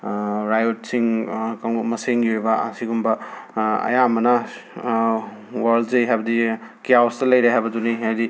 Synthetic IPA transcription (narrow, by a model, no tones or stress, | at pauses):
ɾajot̚siŋkaŋmɐseŋiuɾibɐɐsiɡumbɐɐ̰jamɐnɐ | waɾlzejɦajbɐdikijawstɐlɐjɾaɦajbɐduniɦajdi